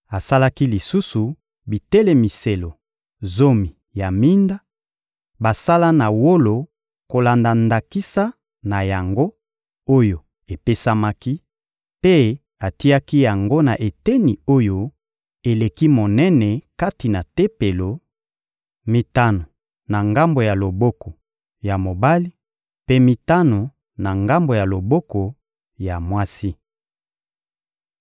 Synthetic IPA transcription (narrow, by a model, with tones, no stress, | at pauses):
a˨sa˦la˦ki˦li˨su˦su˨ | bi˨tɛ˦le˦mi˨se˨lo˨ | zo˦mi˨ | ja˨mi˦nda˦ | ba˨sa˦la˦na˨wo˦lo˨ | ko˨la˨nda˨nda˨ki˦sa˦ | na˨ja˨ŋɡo˦ | o˦jo˨ | e˨pe˦sa˦ma˦ki˦ | pe˦ | a˨ti˦a˦ki˦ja˨ŋɡo˦na̰˨ʔe˨te˦ni˨o˦jo˦ | e˨le˨ki˦mo˨nɛ˦nɛ˨ka˦ti˨na˨te˦pe˨lo˨ | mi˦ta˦no˨ | na˨ŋɡa˦mbo˨ja˨lo˨bo˦ko˨ | ja˨mo˨ba˦li˦ | pe˦mi˦ta˦no˨ | na˨ŋɡa˦mbo˨ja˨lo˨bo˦ko˨ | ja˨mwa˦si˦